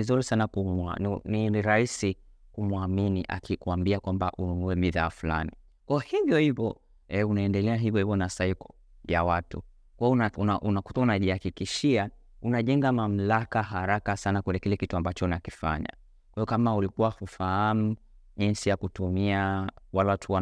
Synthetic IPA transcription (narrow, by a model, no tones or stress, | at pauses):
izuɾisanakuma̰nininiɾaisi | kumwaminiʔa̰kikuambiakwambaʔununuɛmiðaːfula̰ni | kwaɔhivjɔhivɔ | ɛunaɛndɛlɛaɦivjɔhivɔnasaikɔ̥ | jawatṵ | kwaɔnaunaʔunakutaunaʄihakikiʃia | unaʄɛŋɡamam̩lakaɦaɾakasanakwɛlɛkilɛkituambat͡ʃɔnakifa̰ɲa̰ | kwaiɔkamaulikuwahufaham̩ | ʄinsijakutumiawalaatʰuwa